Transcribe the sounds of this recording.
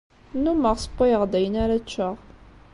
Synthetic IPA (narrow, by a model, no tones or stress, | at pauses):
numəʁsˤə̥pːajəʁd̪æjənæɾat͡ʃːəʁ